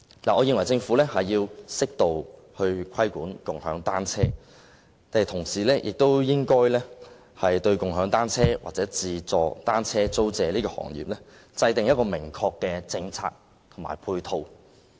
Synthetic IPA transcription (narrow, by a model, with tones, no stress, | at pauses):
laː˨ʔɔː˨˧ji˨˧ŋwɐ˨˩jt͡sɪ˧ŋfuː˨˥lɛː˥hɐ˨jːiː˧wsɪ˥k̚t̪o˨w | hɵ˧ɥkʰɐ˥jkʷuː˨˥nkʊ˨ŋhœ̰ː˨˥ŋt̪aː˥nt͡sʰɛː˥ | t̪aː˨˩t̪ʰʊ˨˩ŋsiː˨˩lɛ˥jʔɪ̰˨k̚t̪o˥wjɪ˥ŋkɔː˥jlɛː˥ | hɐ˨jt̪ɵ˧ɥkʊ˨ŋɦœː˨˥ŋt̪aː˥nt͡sʰɛː˥wa̰ː˨t͡sɛː˨˥t͡siː˨t͡sɔː˨˧t̪aː˥nt͡sʰɛː˥t͡so˥wt͡sɛː˨˧liː˥kɔː˧hɔ̰ː˨˩ŋjḭ˨˩p̚lɛ˥ | t͡sɐ˧jt̪ɪ˨ŋjɐ˥t̚kɔː˧mɪ˨˩ŋkʰɔː˧kːɛː˧t͡sɪ˧ŋt͡sʰa̰ː˧k̚ | t̪ʰʊ˨˩ma̰ː˨˩jpʰuː˧jt̪ʰo˧w